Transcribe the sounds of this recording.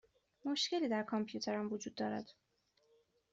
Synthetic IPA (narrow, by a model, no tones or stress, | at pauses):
mo̞ʃce̞liːd̪æɾkʰompʰjuːt̪ʰe̞ɾæmvod͡ʒuːd̪ːɒːɾæ̰d̪̥